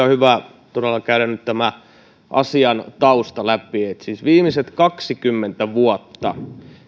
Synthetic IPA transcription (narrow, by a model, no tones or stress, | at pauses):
ɑhyʋæ | t̪oɾelːɑkæyɾænnyt̪t̪æmæ | ʔɑ̰siɑnt̪ɑust̪ɑlæpiet̪siːsʋiːmiset̪kɑksikymːent̪æʋuɑt̪ːɑ̰